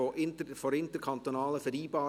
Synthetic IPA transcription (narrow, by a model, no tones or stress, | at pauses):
oʔɪnfoːɾɪntəɾkʰɑnt̪onɑːləfɛɾdiːbɑː